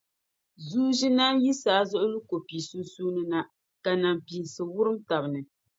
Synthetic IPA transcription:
zuː˦ʒi˦naː˦ji˦saː˨˦zʊ˦ʔʊ˦lu˦ko˨piː˨suː˦su˦nɨ˦na˦ | ka˨na˨mpi˨sɨ˨wʊ˦ɾɨ˦mta˨bɨ˨nɨ˨

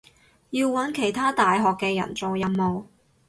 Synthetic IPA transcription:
jiː˧wːɐ˨˥nkʰe˨˩jt̪ʰaː˥t̪aː˨jɦɔː˨kːɛː˧jɐ̰˨˩nt͡so˨wjɐ˧mːo˨w

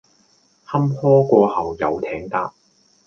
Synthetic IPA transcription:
hɐ˥mhɔː˥kʷɔː˧hɐ˨˩wjɐ˨wt̪ʰɛː˨˥ŋt̪aː˥

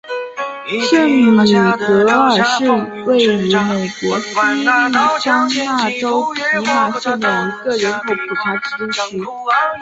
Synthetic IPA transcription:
ʂə˥˩ŋmi˨˩kɤ˧˥ə˞˨˩ʂɻ̩˥˧we˥˩ɪy˧˥me˨˩ɪkwɔ˧˥si˥li˥˩ʈ͡ʂɑ˥ŋna˥˩ʈ͡ʂo˥ʊpʰi˧˥na˥˩ʂə˥˩d̪ə˨˩i˧˥ɡə˧ɻə˧˥nkʰo˧˥pʰu˨˩t̪ʰa˧˥ʈ͡ʂ̩˥ʂ̩˧˥

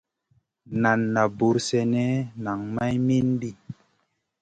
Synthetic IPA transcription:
na˨nːa˨bu˨˦ɾsɛ˧nɛ˦na˨ŋma˦jmi˦nbi˦˨

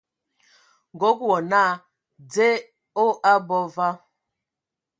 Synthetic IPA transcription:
ŋ˨ɡo˦kwɔ˨na˦˨ | d͡ze˦ | o˦ʔa˦bɔ˦va˦

